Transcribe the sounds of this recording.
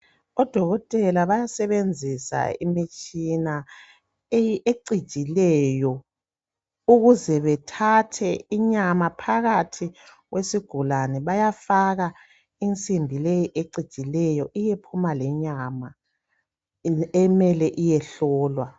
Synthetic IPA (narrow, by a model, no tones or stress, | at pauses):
ɔd̥ʱɔɣɔtʼɛlaβajasɛβend͡zʱisa̰ḭmit͡ʃʼina | ejieǀid̥ʒ̥ʼʱilɛjɔ | uɣuzɛβɛtʰatʰɛiɲamapʰaɣatʰi | ɣwesiɡ̥ʱulanɛβajafaɣa | int͡sʼimbʱilejiʔeǀid̥ʒ̥ʼʱilɛjɔʔijepʰumalɛɲama | ɛmɛlɛʔijɛɬɔːlwa